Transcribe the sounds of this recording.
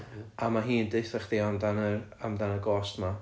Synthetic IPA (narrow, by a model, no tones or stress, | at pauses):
amaɦiːndɨɨθaχd̥iɔmdanəamdanəɡɔːstma